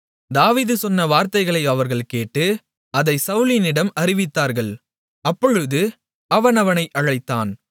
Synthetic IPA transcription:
d̪aːʋiːðɯsɔnːɐʋaːɾt̪ɐɪɣɐɭɐɪɐʋɐɾɣɐɭkeːʈːɯ | ɐðɐɪsɐʊlɪnɪɽɐmɐɾɪʋɪt̪ːaːɾɣɐɭ | ɐpːɔɻɯðɯ | ɐʋɐnɐʋɐnɐɪʔɐɻɐɪt̪ːa̰ːn

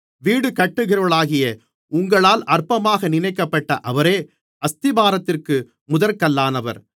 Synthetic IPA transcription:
ʋiːɽɯkɐʈːɯɣɪɾɐɭaːɣɪjɐ | ʊŋɡɐɭaːlɐrpɐmaːɣɐnɪnɐɪkːɐpːɐʈːɐʔɐʋɐɾeː | ɐst̪ɪbaːɾɐt̪ːɪrkɯ | mʊðɐɾkɐlːaːnɐʋɐ̰ɾ

